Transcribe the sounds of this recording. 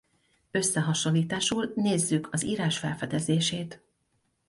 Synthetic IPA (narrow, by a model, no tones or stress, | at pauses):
ø̞sːɛɦɒʃo̞nlːiːt̪aːʃuːlneːzːykʰɒziːɾaːʃfɛlfɛd̪ɛzeːʃeːt̪